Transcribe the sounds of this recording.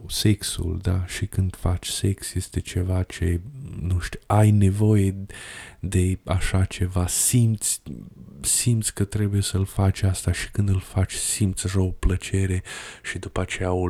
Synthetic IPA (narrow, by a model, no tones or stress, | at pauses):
se̞ksṵld̪aʃikɨnd̪̥fat͡ʃʲse̞ksje̞st̪e̞t͡ʃe̞vat͡ʃe̞nuʃt̪iajne̞vo̞je̞ | d̪e̞aʃat͡ʃe̞vasimt̪sʲ | simt̪sʲkət̪ɾe̞buje̞səlfat͡ʃʲast̪aʃi̥kɨnd̪ɨlfat͡ʃʲsimt̪sʲaʃaoplət͡ʃe̞ɾe̞ʃid̪upat͡ʃe̞jao